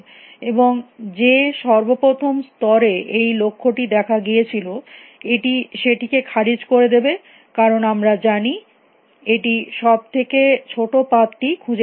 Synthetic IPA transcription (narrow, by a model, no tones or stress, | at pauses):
eboŋd͡ʑeʃɔɾbopɾot̪ʰomst̪ɔɾeejlokʰːoʈid̪ɛkʰaɡijet͡ɕʰilo | eʈiʃeʈikekʰaɾid͡ʑkoɾed̪ebe | kaɾonamɾad͡ʑani | eʈiʃɔb̚t̪ʰeket͡ɕʰoʈopat̪ʈikʰud͡ʑe